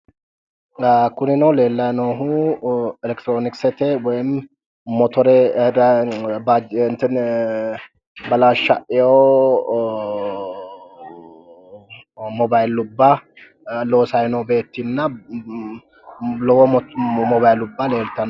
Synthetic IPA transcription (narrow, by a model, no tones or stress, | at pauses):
kʊnɪnɐwle̞ːlːɐnoɦu | ɛlɛkt̪ɾoːnɪksɛt̪ɛwɔjɪm | mɔt̪ʰɔɾɛd̪bad͡ʒnt̪ɛn | bɐlaʃːɐʔɪjo | mɔbajlʊbːa | loːsajnowbe̞ːt̪ːinːɐ | lɔwɔmɔbajlʊbːaleːlt̪ɐn